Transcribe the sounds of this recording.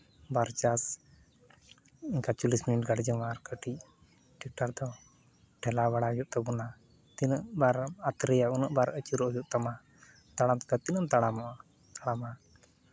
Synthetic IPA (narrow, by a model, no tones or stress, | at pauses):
baɾt͡ʃas | iɲkat͡ʃulisminiʈ̚ɡaɽd͡ʒəwaɾkəʈic | ʈik̚ʈaɾd̪ɔ | ʈʰɛlawaɽajuʔt̪abuna | t̪inəʔbaɾat̪ɾɛjaunəʔbaɾət͡ʃuɾɔʔjuʔt̪ama | t̪aɽamt̪ɛ̥kat̪inəmt̪aɽamɔʔa | t̪aɽama